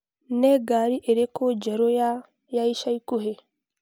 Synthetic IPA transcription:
neɡaːɾiʔeɾekod͡ʒeɾoja | jaiʃajkuɦe

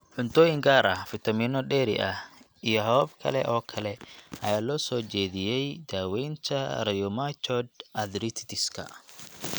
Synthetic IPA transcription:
ħʊnt̪ʰɔːjɪŋɡaːɾɐhfɪt̪ʰɐmiːnɔɖɛːɾɪ̰ʔɐh | ijɔɦɐwɐbkʰɐ̰lɛ̰ʔɔːkʰɐlɛʔɐjaːlɔːsɔːt͡ʃɛːðɪjɛjd̪̥aːwɛjnt̪ʰɐrɐjɔmat͡ʃʰɔd̪ʔɐd̪ɾit̪ʰt̪ʰɪskʰɐ̰

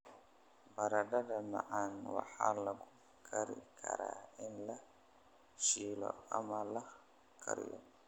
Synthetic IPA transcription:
bɐɾɐɖɐdɐmɐʕanwɑ̰ħaːlɐɣʊ | kʰɐɾɪkʰɐɾaːɪnlɐ | ʃiːlɔ̰ɐmɐlɐ | kʰɐɾɪjɔ

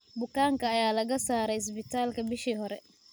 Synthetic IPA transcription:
bʊkʰaːŋkʰɐːjaːlɐɣɐsaːɾɛjɪs̬bɪt̪ʰaːlkʰɐbɪʃiːhɔɾɛ

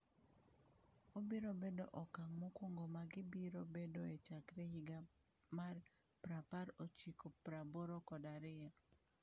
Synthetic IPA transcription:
obiɾobedoʔɔkaŋmokwoŋɡomaɡɪbiɾobedoet͡ʃakɾɛhiɡa | mar | pɾapaɾot͡ʃikopɾaboɾokɔdaɾɪja

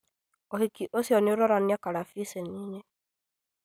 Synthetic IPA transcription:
ohikiʔosjɔneoɾɔɾaniakaɾafiseniːɲe

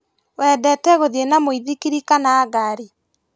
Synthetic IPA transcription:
wɛdɛtɛɣoðienamoiðikiɾikanaːɡaɾi

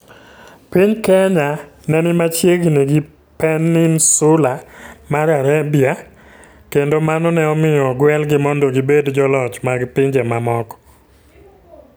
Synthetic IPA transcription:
piɲkɛɲanɛnɪmat͡ʃjeɡnɛɡɪ | pɛnːɪnsʊlamaɾaɾabɪa | kendomanɔnɛɔmɪjɔɡwɛlɡɪmɔndɔɡibedd͡ʒɔlɔt͡ʃmaɡpɪɲd͡ʒemamɔkɔ̥

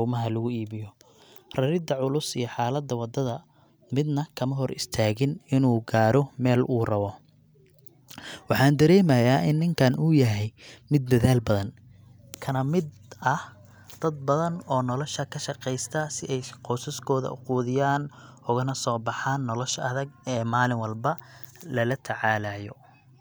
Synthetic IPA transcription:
uːmɐɦɐlɐɣʊiːβɪjɔ | rɐɾɪd̪ɐʕʊlʊsijɞħɑːlɐd̪ɐwɑd̪ɐðɐ | mɪd̪nɐkʰɐmɐɦɔrɪ̰st̪ʰaːɣɪnɪnuːɡaːɾɔmɛːluːrɐβɔ | wɑħɑːnd̪ɐɾɛːmɐjaːʔɪnːɪŋkʰɐnuːjɐɦɛjmɪd̪ːɐðaːlbɐðɐn | kʰɐnɐmɪd̪ | ɐh | d̪̥ɐd̪̚bɐðɐnɔːnɔlɔʃɐkʰɐʃɐqɛjst̪ʰɐsɪʔɛjqɔsɐskʰɔːðɐ̰ʔʊquːðɪjaːn | ʊɣɐnɐsɔːbɑħaːnːɔlɔʃɐ̰ðɐɡɛːmaːlɪŋwɐlbɐlɐlɐt̪ʰɐʕaːlaːjɔ̰

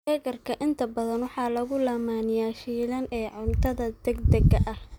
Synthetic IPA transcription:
ɛɣɐrkʰɐʔɪnt̪ʰɐbɐðɐnwɑħɑːlɐɣʊlaːmaːnɪjaːʃiːlɐnɛːʕʊnt̪ʰɐðɐd̪ɛɡd̪ɐɡɐʔɐh

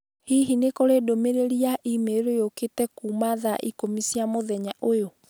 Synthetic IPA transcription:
hiɦinekoɾedomeɾeɾiaʔimeɾojoketɛkuːmaðaʔḭkomisiamoðɛɲaʔojo

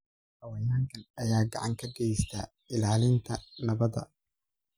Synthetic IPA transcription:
ʔɐwɐjaːŋkʰɐnɐjaːɡɑ̰ʕɑŋkʰɐɡɛjst̪ʰaː | ɪlaːlɪnt̪ʰɐnɐβɐðɐ̰

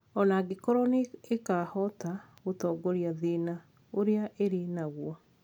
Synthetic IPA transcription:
ɔnaɡekɔɾɔneekahɔta | ɣotɔːɡoɾiaðina | oɾeaʔeɾenaɣwɔ

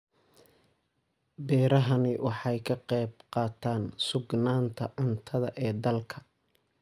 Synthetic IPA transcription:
bɛːɾɐɦɐnɪwʔɑħɑjkʰɐqɛjb̚qɑːt̪ʰaːnsʊɡnaːnt̪ʰɐʔʊnt̪ʰɐðɐʔɛːd̪ɐlkʰɐ̥

